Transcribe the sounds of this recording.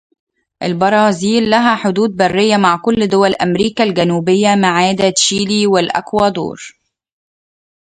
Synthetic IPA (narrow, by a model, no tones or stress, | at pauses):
ʔɪlbɑɾˤɑːziːlːæɦæħod̪uːd̪̚bærːɪjːæmaʕkʊlːd̪ʊwælʔæmɾiːkælɡænuːbɪjːæmaʕaːd̪æʃiːliːwɪlʔæ̰kwæːd̪o̰ːɾ